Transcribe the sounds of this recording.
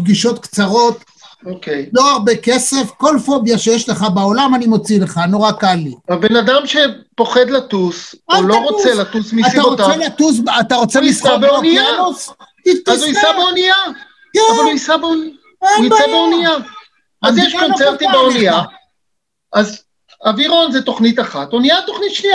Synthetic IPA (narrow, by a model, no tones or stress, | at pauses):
b̚ɡiʃo̞t̪kt͡saʁo̞t̪ | okejlo̞aʁbeke̞se̞fko̞lfo̞bjaʃejeʃleχabao̞lamanimo̞t͡sile̞χanoʁakalːiabenad̪amʃe̞po̞χed̪lat̪usauloʁot͡selat̪usmiat̪aʁotelat̪us̬bat̪aʁot͡semisabeoniaos | itazuniabeonija | kaznisabeonia | niebeonija | azjeʃkont͡seʁt̪imbeonia | ʔaz | aviʁo̞nzet̪o̞χnit̪aχat̪oniat̪oχnit̪ʃlia